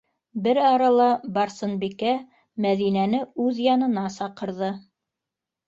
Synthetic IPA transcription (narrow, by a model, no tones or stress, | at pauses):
bɘɾɑɾɑlˠɑbɑɾsɤ̆nbikæ | mæðinænɘʉðjɑnɤ̆nɑsɑqɤ̆ɾðɤ